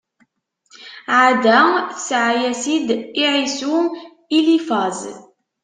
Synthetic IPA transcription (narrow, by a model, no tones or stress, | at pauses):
ʕad̪æθəsʕajæsid̪iʕisu | ilifɑz